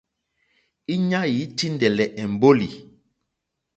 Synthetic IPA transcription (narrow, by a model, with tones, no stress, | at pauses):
i˦ɲa˦ji˨˦ti˦ndɛ˨lɛ˨ʔɛ˨m˨bo˦li˨